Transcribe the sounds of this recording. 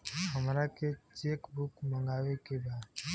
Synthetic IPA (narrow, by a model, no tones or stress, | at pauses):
ɦəmɾaket͡ʃekbʊkmə̃ŋɡaːwekebaːd̪